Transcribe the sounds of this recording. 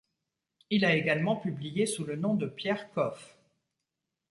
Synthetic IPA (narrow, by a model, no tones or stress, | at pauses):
ilaeɡalmɑ̃pyblijesulənɔ̃d̪əpjɛʁkɔf